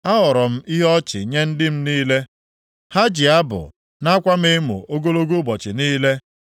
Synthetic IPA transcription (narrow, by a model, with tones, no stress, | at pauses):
a˦ɦɔ˨ɾɔ˨m̩˦i˦ɦɔ˦t͡ʃɪ˨ɲe˦n̩˦dɪ˦m̩˦niː˦le˦ | ha˦d͡ʒɪ˨a˦bʊ̰˨ | na˦kʷa˦me˦mṵ˨o˦ɡo˦lo˦ɡu˦bɔ˨t͡ʃɪ˨niː˦le˦